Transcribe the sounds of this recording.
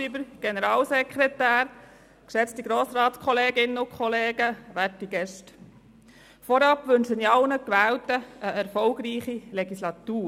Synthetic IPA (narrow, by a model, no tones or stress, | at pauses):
ibəɾɡ̥enəɾɑːlsɛkχɾɛtæːɾ | kʃɛt͡stiɡɾoːsɾɑːtskʰɔleːɡɪnəʊkʰχɔleːɡəʋætiɡɛʃt | fɔɾɑpʋɵnʃəniɑlnəkʋæːltəʔəɛɾfɔlɡɾiːχileɡislɑt̪uː